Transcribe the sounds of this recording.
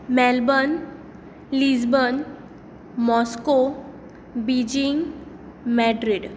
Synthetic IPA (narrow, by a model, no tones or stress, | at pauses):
mɛlbən | lisbən | mɔsko | bid͡ʑiŋɡ | mɛɖɾiɖ